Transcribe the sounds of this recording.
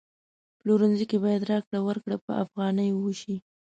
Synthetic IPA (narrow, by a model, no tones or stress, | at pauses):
ploɾanzikebɑjad̪ɾɑkɽawəɾkɽəpə̰a̰fɣɑnəjwuʃi